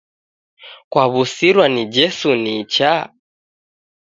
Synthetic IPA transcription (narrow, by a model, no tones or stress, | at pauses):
kwaβusiɾwanid͡ʒɛsunit͡ʃa